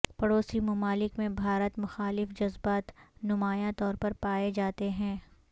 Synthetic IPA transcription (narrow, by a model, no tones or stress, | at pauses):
pɐɽoːsimʊmaːlɪkmẽbʱaːɾət̪mʊxaːlɪfd͡ʒɐzbaːt̪nʊmaːjãt̪ɔːɾpɐɾpaːed͡ʒaːt̪eɦɛ̃ː